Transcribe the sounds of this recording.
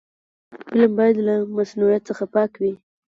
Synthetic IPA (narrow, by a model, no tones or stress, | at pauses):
fɪlambɑjad̪lamasnuɾijat̪t͡səxapɑkwi